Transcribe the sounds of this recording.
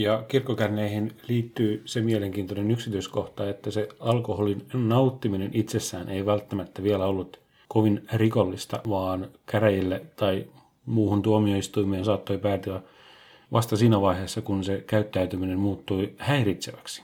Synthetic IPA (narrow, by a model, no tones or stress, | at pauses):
jɑkirkːokærneihinliːt̪ːyːsemieleŋkiːnt̪onenyksit̪yiskoht̪ɑet̪ːæseɑlkoholinnɑut̪ːiminenʔit̪sesːæːnʔeiʋælt̪ːæmæt̪ːæʋielæolːut̪ | koʋinrikolːist̪ɑ̰ʋɑːnkæɾæjilːet̪ɑi | muːhunt̪uomioist̪uimeːnsɑːt̪ːoipæːt̪yæ | ʋʔɑst̪ɑsiːnæʋɑiheːsːɑkunsekæyt̪ːæyt̪yminemmuːt̪ːuihæirit̪seʋæksi̥